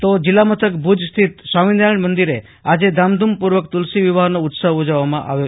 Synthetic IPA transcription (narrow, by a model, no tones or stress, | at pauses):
t̪od͡ʒilːamət̪ʰəkbʱud͡ʒst̪ʰit̪saʋind̪aɳmənd̪iɾe | ad͡ʒed̪amd̪ʱumpuɾʋəkt̪ulsiʋiʋaɦnout̪səɦod͡ʒaʋamã̰ʔa̰ʋjo